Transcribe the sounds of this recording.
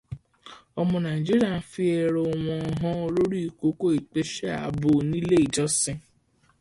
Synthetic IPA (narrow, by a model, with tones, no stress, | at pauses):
ɔ˦mʊ̃˧na˨i˨d͡ʒi˦ɾi˦a˨n̩˦fi˦e˨ɾo˨wɔ̃˨ɔ˨ɦɔ̃˦o˦ɾo˦ɾi˦i˨ko˦ko˦i˨k͡pe˦ʃe˦a̰˨bʊ˨ni˦le˦i˨d͡ʒɔ˦sɪ˦